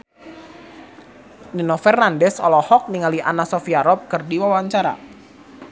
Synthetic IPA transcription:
ninɔfɛrnandɛsɔlɔhɔk̚niŋaliʔanasɔfiaɾɔp̚kɨrdiwawaɲt͡ʃaɾa̰

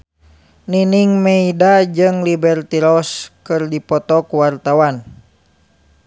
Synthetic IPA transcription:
niniŋmɛidad͡ʒɨŋlibɛrt̪iɾɔskɨrdipɔt̪ɔkuwart̪awan

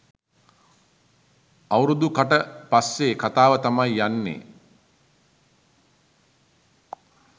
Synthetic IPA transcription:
awɾud̪ukaʈəpasːeːkat̪aːʋət̪amajːanːḛ

